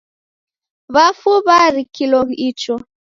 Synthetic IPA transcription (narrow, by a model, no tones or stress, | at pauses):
βafuβaɾikilɔɣit͡ʃɔ